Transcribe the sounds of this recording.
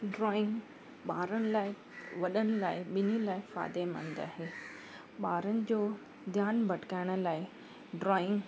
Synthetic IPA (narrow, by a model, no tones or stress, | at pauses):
ɖɾɔːɪ̃ŋɡ | ɓaːɾəñɪ̆laːɪ | ʋɐɗəñɪ̆laːɪɓɪnilaːɪfa̰ːd̪emə̰̃ːn̆d̪a̰ːɦeː | ɓaːɾənɪ̆d͡ʑoː | d̪ʱjaːnbʱɐʈkaːɪɽ̃ə̆laːɪ | ɖɾɔːɪ̃ŋɡ